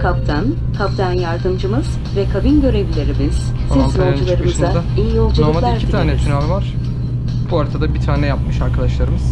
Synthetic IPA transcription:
kʰapt̪ʰan | kʰapd̪ʰanjaɾd̪ɯmd͡ʒɯmɯz̥ | vɛkʰabinɟø̞ɾe̞bilʲeɾimiz̥ | siznold͡ʒulˠaɾɯmɯzaaijiolˠd͡ʒuaɯmabælicʰit̪ʰaːnɛt̪ʰynaɾvaɾ̥ | b̥uaɾt̪ʰad̪abit̪ʰaːnɛjap̚mɯʃaɾkʰad̪aʃlˠaɾɯmɯz̥

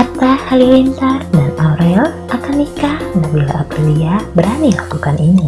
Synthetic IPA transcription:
ʔat̪ashalilint̪asdanauɾɛlʔakanːikahdanbila̰apɾiliabəɾanilakukanʔini

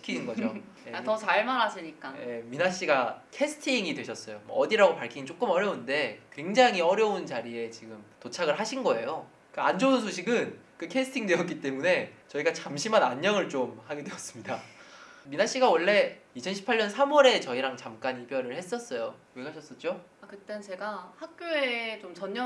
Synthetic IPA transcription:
ɕi̥kʰinɯnɡʌd͡ʑo | eatʌsʰaɭmanasʰiɲik͈aje̞minaɕ͈iɡakʰe̞sʰɯ̥tʰiŋidwe̞ɕʰʌs͈ʌjomwʌ̰ʌdiɾaɡopaɭkʰiŋit͡ɕ͈ok͈ɯmʌɾjʌunde̞kwe̞ŋd͡ʑaŋɦiʌɾjʌunt͡ɕaɾie̞t͡ɕiɡɯmtot͡ɕʰaɡɯɭɦaɕʰinɡʌe̞̰jo | k͈aand͡ʑonsʰoɕʰiɡɯn | k͈ɯkʰe̞sʰɯ̥tʰiŋdwe̞jʌtk͈it͈e̞mune̞t͡ɕʌiɡat͡ɕamɕʰimanaɲːʌŋɯɭt͡ɕ͈omhaɡedweʌs͈ɯmɲida | minaɕ͈iɡawʌɭːe̞it͡ɕʰʌnɕʰi̥pʰaɭɲʌnsʰamwʌɾe̞t͡ɕʌiɾaŋt͡ɕamk͈aɲipjʌɾɯɭhe̞s͈ʌs͈ʌjo | ekʰaɕʰʌs͈ʌt͡ɕ͈o | akɯt͈ant͡ɕe̞ɡahak̚k͈joet͡ɕomt͡ɕʌɲʌ

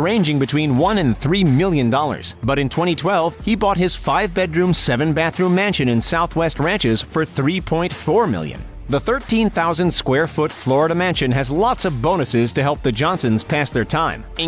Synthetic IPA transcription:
ɹẽɪ̃nd͡ʒɪ̃ŋbɨtʰw̥ĩnwʌ̃nɨ̃nθɹimɪlˠjɨ̃ndɔlˠə̰˞z̥bʌɾɨ̃ntʰw̥ɛ̃ɾ̃itʰw̥ɛlˠv̥ibɔt̚hɨz̥faɪvbɛdɹʉ̃msɛvɨ̃nbæθɹʉ̃mæ̃nʃɨ̃nɨ̃nsaʊθwɛst̚ɹæ̃nt͡ʃɪz̥fə˞θɹipʰɔ̃ɪ̃ntfɔɹmɪ̰lˠjɨ̰̃n | ðəθɜ˞tʰĩnθaʊzɨ̃nd̥skwɛɹfʊtflɔɹəɾɨmæ̃nʃɨ̃nɨzlɑtsʌvbõʊ̃ñɨsɪz̥tʰɨɦɛlˠp̚ðɨd͡ʒɑ̃nsɨ̃nz̥pʰæsðə˞tʰãɪ̃mɨ̃

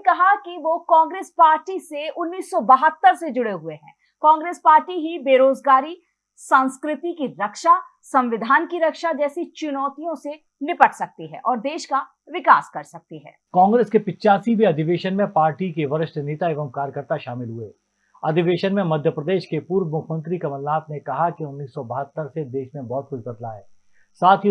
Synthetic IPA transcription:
kɐɦakiʋokɔ̃ːŋɡɾeːspaːɾʈiseʊnːiːsːɔbɐɦət̪ːəɾsed͡ʒʊɽeɦueɦɛ̰̃ː | kɔ̃ːŋɡɾeːspaːɾʈiɦibeːɾoːzɡaːɾi | sãːnskɾɪt̪ikiɾɐkʃa | sɐ̃mʋɪd̪ʱaːnkiɾɐkʃad͡ʒɛːsit͡ʃʊnɔːt̪ijõse | nɪpəʈʰsɐk̚t̪iɦɛ̰̃ːʔɔːɾd̪eːʃka | ʋɪkaːskɐɾsɐk̚t̪iɦɛ̰ːkɔ̃ːŋɡɾeːskepɪtːt͡ʃaːsibʱiɐd̪ʱɪʋeːʃənmẽpaːɾʈikeʋɐɾɪʃʈʰəneːt̪aeːʋəmkaːɾjəkəɾt̪aʃaːmɪlɦueː | ɐd̪ʱɪʋeːʃənmẽmɐd̪ʱjəpɾɐd̪eːʃkepuːɾʋmʊkʰmə̃nt̪ɾikɐməlnaːt̪nẽkɐɦakiʊnːiːsːɔbɐɦət̪ːəɾsed̪eːʃmẽbɔːt̪̚kʊt͡ʃʰbɐd̪laɦɛː | saːt̪ʰi

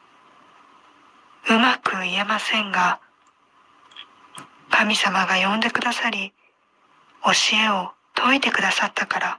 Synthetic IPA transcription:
ɯ̟makɯ̟ie̞masẽ̞ŋɡa | kamʲisamaɡajõ̞nd̪e̞kɯ̟d̪asaɾʲi | o̞ɕie̞o̞t̪ʰo̞it̪e̞kɯ̟d̪asat̪ːakaɾa

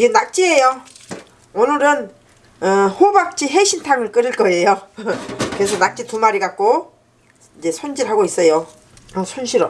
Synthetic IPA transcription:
iɡenak̚t͡ɕ͈iejo | onɯɾɯn | ɯhobak̚t͡ɕ͈iɦe̞ɕʰintʰaŋɯɭk͈ɯɾɯɭk͈ʌe̞jo | kɯɾesʰʌnak̚t͡ɕ͈itumaɾiɡak͈o | id͡ʑe̞sʰond͡ʑiɭɦaɡois͈ʌjo | sʰonɕʰiɾo

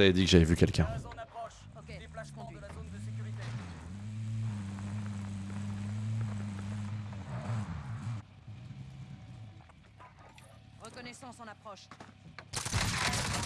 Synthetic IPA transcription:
avɛd̪ikəʒavɛvykʲɛlkʲɛ̃aɔ | ke | asmɔ̃d̪azond̪əeyʁit̪e | ʁəkɔnɛsɔ̃sɔ̃napχɔʃ

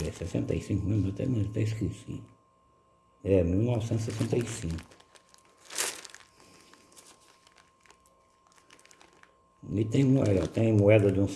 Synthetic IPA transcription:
ɛsɛsẽnt̪ɐ̰jsĩŋkʊmẽmet̪ɛ̰mĩt̪ɛskisḭ̃ | ɛmiwnɔvsẽnt̪sɛsẽnt̪ɐjsĩŋkʊ̥ | it̪ẽj̃muɛt̪ẽj̃moɛd̪ɐd̪ɪũs

